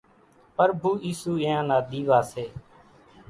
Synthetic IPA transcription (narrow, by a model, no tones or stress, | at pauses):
pəɾbʱuːʔiːsuːɪ̃ːãːnaːd̪ʱiːʋaːseː